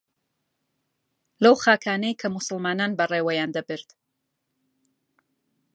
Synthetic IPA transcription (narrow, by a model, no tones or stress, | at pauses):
lɐwxaːkʰaːnejkʰɐmʊsɨlmaːnanbɐreːwɐjaːnd̪ɐbɨɾd̪